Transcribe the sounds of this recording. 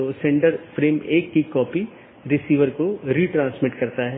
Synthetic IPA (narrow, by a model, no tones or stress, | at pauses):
osɛ̃ɳɖəɾfɾeːmeːkːikɔːpi | ɾɪsiːʋəɾkoɾiːʈɾãːnsmɪʈkɐɾt̪aɦɛː